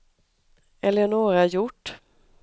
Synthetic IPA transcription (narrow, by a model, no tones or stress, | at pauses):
ɛləjanoːɡɾajʊʈː